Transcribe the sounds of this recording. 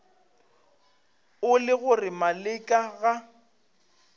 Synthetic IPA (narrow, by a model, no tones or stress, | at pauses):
ʊlɪɣʊrɪmalɪkʼaɣa